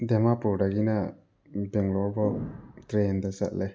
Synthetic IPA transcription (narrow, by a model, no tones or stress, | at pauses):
d̪ɛmapuɾɖaɡina | bɛŋlɔɾbɔt̪ɾend̪asa̰ʔlɛ